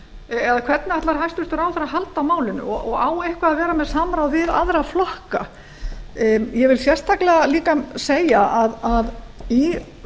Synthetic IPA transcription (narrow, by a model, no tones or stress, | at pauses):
ɛðakʰv̥ɛt̪naat̪laɾhajst̪ʏst̪ʏɾaːwθaɾaɦalt̪awmaːwlɪnʏ̰ɔɔɣaːwehkvaːðvɛːɾamɛðsaːmɾaːwvɪða̰ðɾaflɔhka | jɛvɪlsjɛr̥st̪ʰaklɛɣaliːkaseːjaaðaði